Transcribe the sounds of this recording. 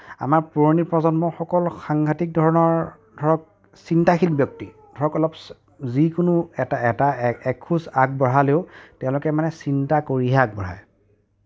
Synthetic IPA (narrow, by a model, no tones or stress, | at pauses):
a̰maɹpuɹonipɹɔzɔnmɔxɔkɔlxaŋɡʱatik̚dʱɔɹɔnɔɹ | d̥ʱɔɹɔk̚ | sintaxʰilbjɔk̚ti | dʱɔɹɔkɔlɔp | zikʊnʊɛtaɛtaɛkʰusak̚bɔɹaleʊtɛʊ̃lʊkɛmanɛsintakoɹiɦak̚bɔɹa̰j